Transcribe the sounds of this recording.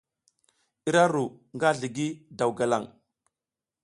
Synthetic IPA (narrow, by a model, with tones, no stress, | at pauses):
i˦ɾa˦ɾu˨ŋɡa˦ɮi˨ɡi˦da˨wɡa˨la˦˨ŋ